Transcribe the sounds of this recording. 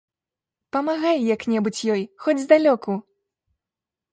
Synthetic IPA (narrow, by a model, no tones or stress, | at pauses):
pɐmaɣajjɐknʲɛbut͡sʲjɔjxɔd͡zʲzd̪alʲɔku